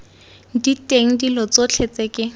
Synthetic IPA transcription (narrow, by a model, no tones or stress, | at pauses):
ditʼeŋ̩dilɔt͡sot͡ɬʰet͡sɛkʼɪ